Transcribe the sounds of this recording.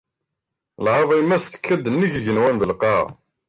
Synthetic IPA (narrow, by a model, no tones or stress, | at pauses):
lʕɑðˤimːæsθə̥kːæd̪ːənːiʝiʝənwænðəlqɑʁ